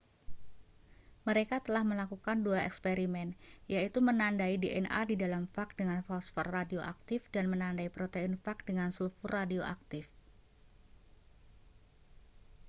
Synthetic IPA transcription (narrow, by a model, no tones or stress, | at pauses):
məɾekat̪əlahməlakukanduaɛkspeɾimɛnjait̪umənandaideʔɛnʔa̰didalamfak̚dəŋanfɔsfɔrːadioʔak̚t̪ɪfdanmənandaipɾot̪einfak̚dəŋansulfuradioʔa̰k̚t̪ɪf